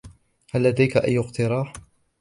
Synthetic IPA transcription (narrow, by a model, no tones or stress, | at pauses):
halːad̪ajkaʔajːʊqt̪ɪɾˤɑːħ